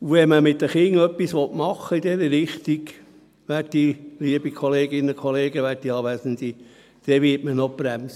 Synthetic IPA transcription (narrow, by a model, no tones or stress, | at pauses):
uʋɛməmɪt̪ːəχɪŋœpːisʋɔt̪mɑχːəid̪ɛɾəɾɪχt̪iɡ | ʋættiliəbikʰɔleːɡɪnːəkʰɔleːɡəʋæːttːiɑːʋæsəndi | d̥ɛʋɪtmənɔbɾæmsə